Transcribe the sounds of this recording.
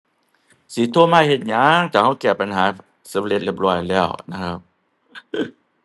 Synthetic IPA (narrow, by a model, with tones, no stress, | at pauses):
siː˨˦t̪ʰu˧˥˩əmaː˧˥˨jhe˧˩t̪̚ɲaː˦˧˥ŋt͡ɕaː˨˩ha˧˥˩wkɛː˨˩pa˧nhɦaː˨˦ | sa˨˦m˧le˧˦t̪̚le˦˧˩p̚lɔː˧˩jlɛː˧˥˩wna˧˥kʰa˦˥p̚